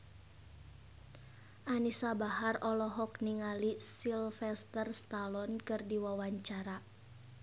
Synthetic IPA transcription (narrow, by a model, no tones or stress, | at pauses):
ʔanisabahɦarɔlɔɦɔkniŋalisilfɛst̪ərst̪alɔnkɨrdiwawaɲt͡ʃaɾa